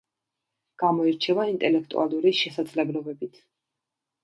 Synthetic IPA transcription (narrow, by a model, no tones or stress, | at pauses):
ɡ̥amɔiɾt͡ʃʰɛvaint̪ʼɛlɛk̚ʰt̪ʼṵalˠuɾiʃɛsad̪zlɛblɔbɛbit̪ʰ